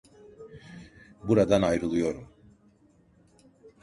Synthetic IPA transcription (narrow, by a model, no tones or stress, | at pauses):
buɾad̪anajɾɯlˠujo̞ɾum